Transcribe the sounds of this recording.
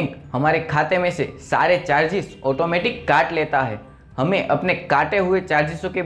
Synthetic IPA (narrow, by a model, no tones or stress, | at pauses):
khəmaɾekʰat̪emẽsesa̰ɾet͡ʃaɾd͡ʒisɔʈomeʈikːaʈlet̪aɦɛ̰ | həmeʔəpnekaʈeɦuet͡ʃaɾd͡ʒisõke